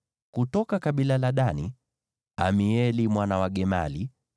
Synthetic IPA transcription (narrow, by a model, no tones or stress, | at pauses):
kutɔkakaɓilalaɗani | amiɛlimwanawaɡɛma̰li